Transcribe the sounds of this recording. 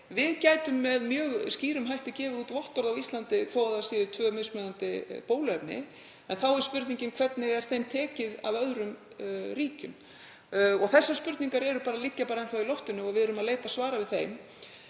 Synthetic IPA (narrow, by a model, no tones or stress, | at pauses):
vɪðcaːjt̪ʏmːɛðmjœːɣsciːɾʏmɦajht̪ɪcɛːvɪðuːt̪vɔht̪ɔɾðavwist̪lant̪ɪfɔwaðasiːðʏt̪ʰvœːmɪsmœðant̪ɪpoːwlɛpnɪ̰ | ɛnθawɛɾ̥spʏɾt̪niɲcɪmkʰvɛt̪nɪɣɛɾ̥θejmt̪ʰɛːcɪða̰vœðɾʏm | ɾiːcʏm | ɔɣθɛsːaspʏɾt̪niŋkaɾɛɾʏpaːɾalicːapaːɾaɛnθawilɔft̪ʏnʏɔɣvɪðœɾʏmaðleːjt̪asvaːɾavɪðθejm